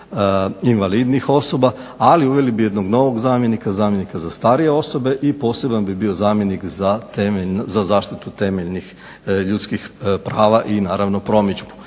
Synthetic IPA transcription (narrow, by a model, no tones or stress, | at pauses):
inʋalid̪nixo̞so̞ba | aliuʋe̞libije̞d̪noɡno̞ʋo̞ɡzaːmje̞nikazaːmje̞nikazast̪aɾije̞o̞so̞be̞ʔipo̞ːse̞banbibio̞zaːmje̞nikzat̪emeʎnzazaːʃt̪it̪ut̪e̞meʎnix | ʎut̪skixpɾaːʋaʔinaːɾaʋno̞pɾo̞mid͡ʒbu̥